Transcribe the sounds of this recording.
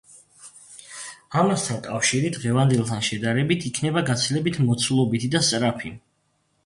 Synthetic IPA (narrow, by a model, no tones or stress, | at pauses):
amast̪ʰankʼafʃiɾid̪ʁɛvand̪ɛlˠt̪ʰanʃɛd̪aɾɛbit̪ʰikʰnɛbaɡat̪sʰilɛbit̪ʰmɔt̪sʰulˠɔbit̪ʰid̪ast̪ʼɾapʰi